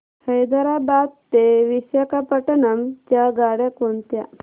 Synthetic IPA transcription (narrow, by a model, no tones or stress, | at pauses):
həjd̪əɾabad̪̚t̪eʋisjakapəʈənəmt͡ʃaɡaɽjakont̪ja